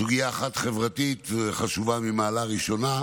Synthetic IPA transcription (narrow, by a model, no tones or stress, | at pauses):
uɡijaːχat̪χevʁat̪it̪χaʃuvamimaːlaʁiʃo̞na